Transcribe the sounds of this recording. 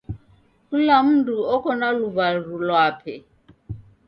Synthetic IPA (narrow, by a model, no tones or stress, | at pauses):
kulam̩ntʼuɔkʰɔnaluvarulwaːpʰɛ